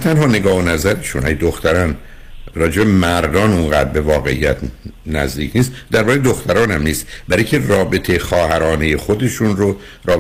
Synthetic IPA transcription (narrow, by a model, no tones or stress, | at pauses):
t̪ʰænhɒːne̞ɡɒːhonæzæɾeʃunhæjd̪oxt̪æɾɒːn | ɾɒːd͡ʒe̞bemæɾd̪ɒːnunɡæːd̪be̞vɒːɣe̞ḭjæt̪ʰ | næ̰zd̪iːcʰniːst̪d̪æɾbɒːɣed̪oxt̪ʰæɾɒːnæmniːst̪bæɾicʰerɒːbe̞t̪ʰexɒːhæɾɒːne̞jexod̪e̞ʃunɾo | rɒː